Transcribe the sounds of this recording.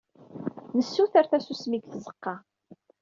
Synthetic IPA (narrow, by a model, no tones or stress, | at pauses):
nəsːuθæɾθæsusmiɡθzə̥qːɑ